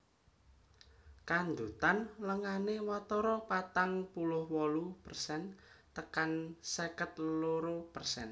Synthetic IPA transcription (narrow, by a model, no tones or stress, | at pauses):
kand̪ut̪anləŋanewat̪ɔɾɔpat̪aŋpulʊhwɔlupərsɛnt̪əkansəkət̪̚loɾopərsɛn